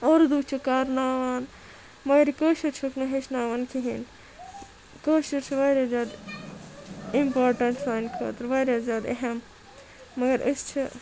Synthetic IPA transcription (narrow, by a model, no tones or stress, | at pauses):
oːɾd̪uːt͡ʃʰikaːɾnaːʋaːn | mɐɡɐɾkəːʃɐɾt͡ʃʰoknɐɦeʃnaːʋaːnkʰiɦin | kəːʃɐɾt͡ʃʰiʋaːɾʲjazʲjaːd̪ | impaːɾʈɐɳʈsaːjnkʰɐ̰ːt̪ɐɾʋaːɾjaːzjaːd̪ḛɦɐmː | ɐɡɐɾəst͡ʃʰi